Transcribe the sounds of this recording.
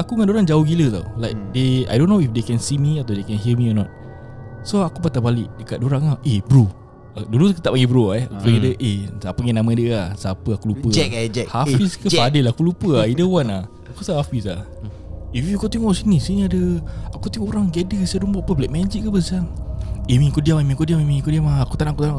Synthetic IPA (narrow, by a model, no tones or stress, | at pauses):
akuŋandoɾaŋd͡ʒauɡilət̪a̰wlajk̚dea̰jdõnːoifdekɛnsimiat̪awdekɛnɦimiɔnɔt̪̚ | soakupat̪abaliʔdəkat̪̚doɾaŋahʔebɾu | ədulukit̪aʔpaŋɡibɾuapaɡedəʔesapəŋɛnamə̃dəasapəakulupəɛd͡ʒɛhafiskəadəlaakulupəaidəwana | akusaafisa | ifjukot̪iŋɔʔsinisiniadəakut̪iŋɔuɾaŋɡedəsəɾumbɔʔpəblɛʔ̚mɛd͡ʒiʔkəbəsiaŋemĩnkodiamimĩkodiamimĩkodiamaaku̥t̪anaŋkut̪ana